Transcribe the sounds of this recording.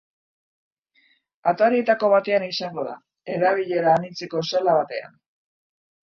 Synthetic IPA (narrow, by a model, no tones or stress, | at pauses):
at̪aɾit̪ako̞βat̪e̞anisaŋɡo̞ða̰ | e̞ɾaβ̞iʎe̞ɾaːnit͡seko̞salaβat̪e̞a̰n